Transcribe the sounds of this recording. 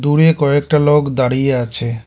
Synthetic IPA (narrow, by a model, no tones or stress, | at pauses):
d̪uɽekɔek̚ʈalokd̪aɽijeat͡ɕʰe